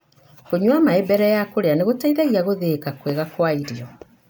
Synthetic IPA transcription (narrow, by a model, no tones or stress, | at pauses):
koɲwamaebɛɾɛjakoɾeaneɣotaiðaɣiaɣoðekakweɣakwaiɾiɔ